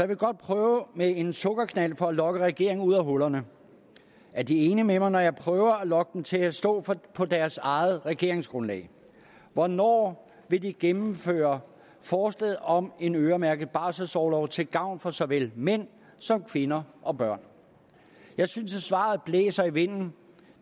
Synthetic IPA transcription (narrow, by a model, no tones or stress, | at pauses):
jɑ̈ʋe̝ɡ̥ɒ̽d̥̚pʰʁœːʊmee̝nsɔ̽ɡ̥ɐkʰnæl̰fɒ̽ælɒ̽ɡ̥əʁɛɡ̥e̝ɐ̰e̝ŋuð̰ˠæɦɔlɐnə | æɐd̥ie̝ːnəmemɑ̈ɪnɒjɑ̈ɪpʰʁœːʊɐælɒ̽ɡ̥əd̥en̩t͡sʰe̝læsd̥ɔ̰̽ːpʰɒ̽d̥æɐsɑ̈ɪð̩ˠʁɛɡ̥e̝ɐ̰e̝ŋsɡ̥ʁɔ̽nlɛ̰ɪ | ʋɒnɒ̰ː | ʋe̝d̥iɡ̥emm̩fø̰ːɐ | fɒːsleð̩ˠɒ̽me̝nøːɐmæɐɡ̥əð̩ˠb̥ɑ̈ːsəsɒʊlɒʊt͡sʰe̝lɡ̥ɑ̈ʊ̰nfɒ̽sɒ̽ʋel̰men̰ | sɒ̽mkʰʋe̝nɐʔɒ̽b̥ɶɐ̰n | jɑ̈ɪsynssʋɑ̰̈ːð̩ˠb̥lḛːsɐiʋe̝n̰n̩